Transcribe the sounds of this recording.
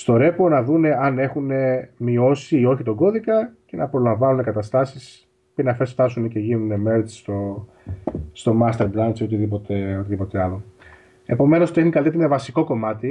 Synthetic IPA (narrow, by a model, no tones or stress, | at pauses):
st̪o̞ɾe̞po̞nɐðune̞ɐne̞xune̞mio̞siio̞çit̪o̞ɡo̞ðikɐce̞nɐpɾo̞lɐɱvɐnune̞kɐt̪ɐst̪ɐsis | pinɐfe̞sft̪ɐsune̞ce̞ʝinuneme̞ɾst̪o | st̪o̞mɐst̪e̞ɾbɾɐnso̞t̪iðipo̞t̪e̞o̞t̪iðipo̞t̪e̞ɐlo̞ | e̞po̞me̞no̞st̪exnikɐliet̪eɾenɐvɐsiko̞ko̞mɐt̪i